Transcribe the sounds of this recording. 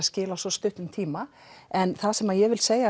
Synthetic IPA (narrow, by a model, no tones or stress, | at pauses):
ascɪːlasɔst̪ʏht̪ʏmt̪ʰiːma | ɛnθasɛmajɛɣvɪlseːja